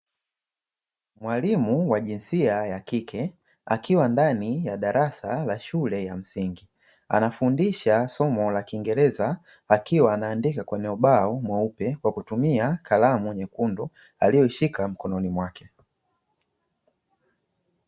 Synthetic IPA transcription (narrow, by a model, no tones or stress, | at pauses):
mwalimuwaʄinsiajakikʰɛ | a̰kiwandanijaɗaɾasalaʃulɛjam̩siŋɡi | a̰nafundiʃasɔmɔlakiːŋɡɛlɛzaː | kiwaːnaːndikakwɛnɛɔɓaɔmwaupɛkwakutumiakʰalamuwɲɛkundɔ | alijɔiʃikam̩kɔnɔnimwakɛ